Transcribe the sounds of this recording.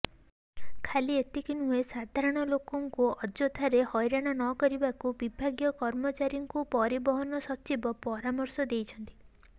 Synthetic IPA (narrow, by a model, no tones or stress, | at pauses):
kʰaliet̪ikinuesad̪ʱaɾɔɽ̃ɔlokɔŋkuɔd͡ʒot̪ʰaɾehɔjɾaɽ̃anɔkɔɾibakubibʱaɡjɔkɔɾmɔt͡ʃaɾjɔŋkupɔɾibɔɦɔnɔsɔt͡ʃibɔpɔɾamɔɾsɔd̪ejt͡ʃʰɔnt̪i̥